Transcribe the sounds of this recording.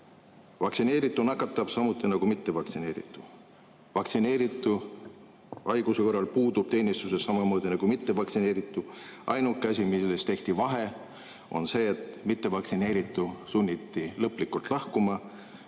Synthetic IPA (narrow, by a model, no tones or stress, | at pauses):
vɑksine̞ːɾit̪ːˑunɑkːˑɑt̪ːˑɑb̥sɑmut̪ːˑinɑɡ̥umit̪ːe̞vɑk̪sine̞ːɾḭt̪ːˑu̥ | vɑk̪sine̞ːɾit̪ːˑu | ɑjɡ̥useko̞rːɑlpuːd̪ub̥̚t̪e̞ːnist̪use̞sːɑmɑmo̞ːd̪inɑɡ̥umit̪ːe̞vɑksine̞ːɾit̪ːˑuʔɑjnukːˑæsʲimilest̪e̞ht̪ivɑɦe̞ | o̞̰nse̞ːet̪mit̪ːe̞vɑk̪sine̞ːɾit̪ːˑusunʲːit̪ːilɤpːˑlikːˑult̪ˑlɑhkumɑ